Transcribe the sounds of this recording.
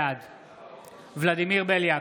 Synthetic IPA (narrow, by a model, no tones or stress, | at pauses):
ad̪ | vlad̪imiʁbelja